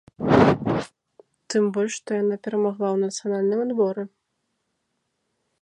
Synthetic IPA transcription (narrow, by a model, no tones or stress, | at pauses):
t̪ɨmbɔlʲʂʂt̪ɔjanapʲɛɾɐmaɣlˠawnɐt̪sɨjanalʲnɨmad̪bɔɾɨ